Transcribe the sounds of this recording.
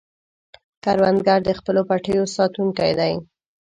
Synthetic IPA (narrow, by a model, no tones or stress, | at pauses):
kaɾwand̪ɡaɾd̪əxpəlopaʈəjosɑt̪uŋkajd̪aj